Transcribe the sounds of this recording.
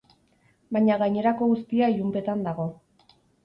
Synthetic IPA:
baɲaɣajɲe̞ɾako̞ɣust̪iaiʎumpe̞t̪and̪aɣ̞o̞

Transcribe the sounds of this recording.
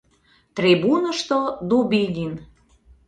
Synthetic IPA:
t̪ribunəʃt̪od̪ubilʲin

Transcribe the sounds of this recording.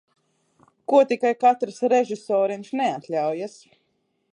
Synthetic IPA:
kuɔt̪ikajkat̪ɾsɾeʒisɔːɾinʃnɛat̪lʲawjas

